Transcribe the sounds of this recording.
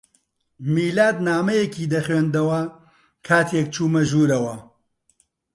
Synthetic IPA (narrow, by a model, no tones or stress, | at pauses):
miːlaːd̪naːmɐjekʰiːd̪ɐχweːnd̪ɐwɐ | kʰaːt̪ʰek̚t͡ʃʰuːmɐʒuːɾɐwɐ